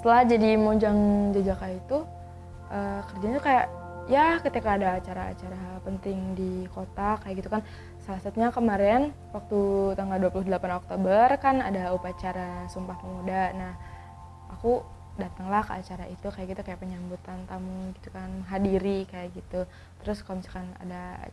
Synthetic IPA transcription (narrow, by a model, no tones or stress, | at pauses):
sə̥t̪əlahd͡ʒadimoɲd͡ʒaŋd͡ʒad͡ʒakajait̪u | ʔəkərd͡ʒant̪ukajaʔ | jakət̪ikaːdaːt͡ʃaɾaa̰t͡ʃaɾapənt̪ɪŋdikot̪akajaʔɡit̪ukan | salasat̪uɲakəmaɾɛn | wak̚t̪ut̪aŋɡalduapulʊhdəlapanok̚t̪obərkana̰daupat͡ʃaɾasumpahpəmudaʔnah | aku | dat̪əŋlahkəat͡ʃaɾait̪ukajaʔɡit̪ukajaʔpəɲambut̪ant̪amuŋɡit̪ukanməŋɦadiɾikajaʔɡit̪u | t̪əɾʊskamisi̥kana̰da̰